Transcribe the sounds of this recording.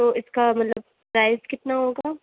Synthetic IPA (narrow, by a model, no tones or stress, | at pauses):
oɪskamɐt̪ləb̚ | pɾaːɪzkɪt̪naɦoːɡaː